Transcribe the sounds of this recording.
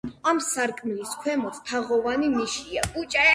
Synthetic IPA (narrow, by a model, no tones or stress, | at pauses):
amsaɾkʼmliskʰwɛmɔt̪ʰt̪ʰaʁɔvanimiʃiaɡut͡ʃʼa